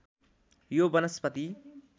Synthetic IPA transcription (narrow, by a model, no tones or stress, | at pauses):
jobʌnʌspʌt̪i